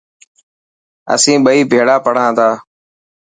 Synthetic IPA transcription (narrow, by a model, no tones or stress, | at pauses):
ə̰sĩːɓəiːbʱeːɽaːpəɽ̤ãːt̪ʰaː